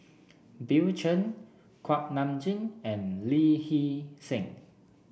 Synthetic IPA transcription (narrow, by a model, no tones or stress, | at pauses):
biwt͡ʃə̃n | kʰwak̚nãmd͡ʒĩnɛ̃nlihisɛ̃ŋ